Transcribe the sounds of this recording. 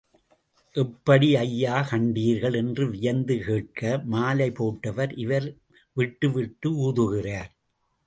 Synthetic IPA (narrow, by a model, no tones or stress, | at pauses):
ʔɛpːɐɽiɐjːaːkɐɳɖiːɾɣɐɭɛndrɯʋɪjɐnd̪ɯkeːʈ̚kɐmaːlɐɪpoːʈːɐʋɐɾʔɪʋɐɾ | ʋɪʈːɯʋɪʈːɯuːðɯɣɪraːɾ